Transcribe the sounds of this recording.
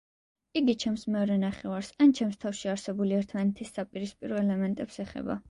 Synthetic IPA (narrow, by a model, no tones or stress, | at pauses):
iɡit͡ʃʰɛmsmɛɔɾɛnaχɛvaɾsant͡ʃʰɛmst̪ʰafʃiaɾsɛbuliɛɾt̪ʰmanɛt̪ʰisːapʼiɾispʼiɾɔɛlɛmɛnt̪ʼɛpsɛχɛ̰ba̰